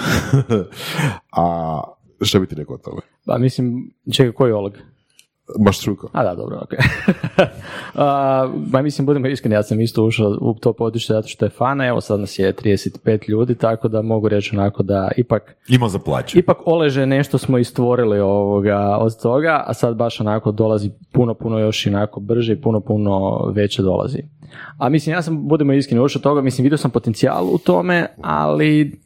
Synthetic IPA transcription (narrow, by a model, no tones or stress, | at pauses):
a | ʃt̪abit̪iɾekoot̪ʰo̰me | pa̰mislimt͡ʃeɡakoiolˠeɡ | maʃt̪ɾujkoa̰d̪ad̪obɾo̰o̰ke | əmamislimbud̪emoiskɾenijaːsamist̪ouʃaṵt̪o̞pod̪ut͡ʃezat̪o̞ʃt̪ojefanae̞ʋo̰sad̪nasjet̪ɾid̪eset̪i̥pe̞ːt̪ʎuːd̪it̪akod̪amo̞ɡuɾe̞t͡ʃonako̞d̪aipak | imazaplˠa̰ːt͡ʃipakoleʒene̞ʃt̪o̞smoist̪ʋo̞ɾilioʋoɡao̰d̪t̪o̞ɡaʔa̰sad̪baʃonako̞d̪o̞lˠazipunopunojo̞ʃionako̞br̩ʒeipunopuno̞̰ʋe̞t͡ɕed̪o̞̰lˠa̰zḭamislimjaːs̬ambud̪emoiskɾiniuʃot̪o̞ɡamislimʋid̪josampo̞t̪ent̪sia̰ːlˠuṵt̪o̞mea̰li